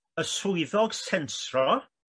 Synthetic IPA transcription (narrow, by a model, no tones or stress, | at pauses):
əsʊɨðɔɡ̥sɛnsrɔ